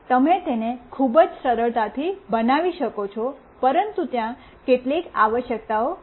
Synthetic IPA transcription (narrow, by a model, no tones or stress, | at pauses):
t̪əmet̪enekʰubəd͡ʒsəɾəɭt̪at̪ʰibənaʋiʃəkot͡ʃʰɔ | pəɾənt̪ut̪jã | keʈlikaʋəʃjək̚t̪ao